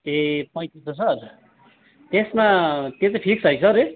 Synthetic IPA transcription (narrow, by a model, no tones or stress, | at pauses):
epʌj̃t̪it̪ʰosʌr | t̪esmat̪jõt͡sʌpʰiksʌjsʰʌɾe